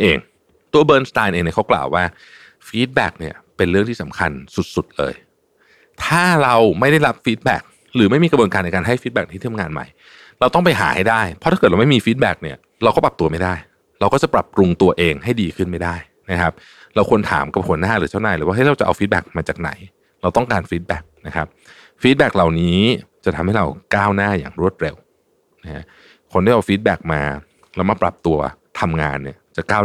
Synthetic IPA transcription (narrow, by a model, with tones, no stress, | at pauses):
ʔeː˧ŋ | t̪u˧ɐbɤː˧nst̪aː˧nʔeː˧ŋni˥˩kʰa˦˥wkla̰ː˨˩waː˥˩ | fiː˦˥t̪̚bɛ̰ː˨˩k̚ni˥˩ɐpe˧nɾɯ˥˩ŋt̪ʰiː˥˩sa˩˦mkʰa˧nsu˨˩t̪̚su˨˩t̪̚lɤ̰ː˧j | t̪ʰaː˥˩ɾa˧wma˥˩jda˥˩jɾa˦˥p̚fiː˦˥t̪̚bɛ̰ː˨˩k̚ | ɾɯː˩˦ma˥˩jmiː˧kɾbu˧nkaː˧nː˧kaː˧nɦa˥˩jfi˦˥bɛː˨˩n˧˩t̪ʰːt̪ʰa˧ŋaː˧nma̰˧˩j | ɾa˧wt̪ɔ˥˩ŋpa˧jɦa̰ː˩˦ha˥˩jdaː˥˩jpʰɔ˦t̪ʰa˥ɤː˨˩ɾa˧m˥˩miː˧fiː˦˥t̪̚bɛː˨˩k̚ni˦˥˩ɐ | ɾa˧wkɔː˥˩pɾa˨˩p̚t̪u˧ɐma˥˩jdaː˥˩j | ɾa˧wkɔː˥˩t͡ɕa˨˩pɾa˨˩p̚ɾu˧ŋt̪u˧ɐʔeː˧ŋɦa˥˩jdiː˧kʰɯ˥˩nma˥˩jdaː˥˩j | na˦˥kʰa˦˥p̚ | ɾa˧wkʰu˧ənt̪ʰa̰ː˩˦mka˨˩p̚hu˨˩˦ənaː˥˩ɾɯː˩˦t͡ɕa˥˩wnaː˧jlɯː˦wa˥˩ɦa˥˩jɾa˧wt͡ɕa˨˩ʔa˧wfiː˦˥t̪̚bɛ̰˨˩k̚maː˧t͡ɕaː˨˩k̚na̰˨˩˦j | ɾa˧wt̪ɔ˥˩ŋkaː˧nfiː˦˥t̪̚bɛ̰ː˨˩k̚na˦˥kʰa˦˥p̚ | fiː˦˥t̪̚bɛː˨˩k̚la˨˩wniː˦˥t͡ɕa˨˩t̪ʰa˧mha˥˩jɾa˧wkaː˥˩wnaː˥˩ja̰ː˨˩ŋɾu˥˩ət̪̚ɾe˧w | na˦˥kʰa̰˦˥ | kʰo˧ndaː˥˩ʔa˧wfiː˦˥t̪̚bɛː˨˩k̚ma̰ː˧ | ɾa˧wma˧˥˩pɾa˨˩p̚t̪u˧ɐt̪ʰa˧mŋa̰ː˧nːi˥˩ɐt͡ɕa˨˩kaː˥˩